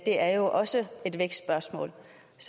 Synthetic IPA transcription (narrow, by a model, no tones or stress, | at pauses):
d̥e̝ʔæɐjo̝ʔɒ̽səe̝d̥ʋeɡ̥ssb̥ɶɐsmɔ̰̽ːl | s